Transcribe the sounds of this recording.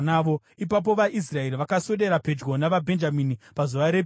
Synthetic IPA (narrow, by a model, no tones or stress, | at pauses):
naːʋo̞ | ipap̬o̞ʋaʔis̬rae̞ɾiʋakaso̞ɗe̞ɾape̞d͡ʒɡo̞naʋabʱe̞nd͡ʒaminipazuʋaɾe